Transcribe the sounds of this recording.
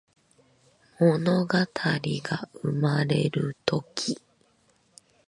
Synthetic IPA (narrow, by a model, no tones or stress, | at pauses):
mo̞no̞ɡat̪ʰaɾʲiɡaɯmaɾe̞ɾɯ̟t̪o̞kʲʰi